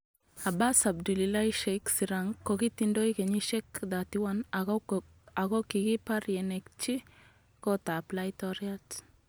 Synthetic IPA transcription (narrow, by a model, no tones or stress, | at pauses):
abasab̚dulilajʃejksiɾaŋkːokit̪indojkeɲiʃɛkd̪at̪iwan | aɣokiɡipaɾjɛnekt͡ʃi | kot̪aplajt̪ɔɾjat